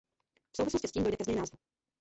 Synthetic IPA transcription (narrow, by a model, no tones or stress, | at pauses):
fsowvɪsloscɪsciːmdodɛkɛzɲɛjnaːzvu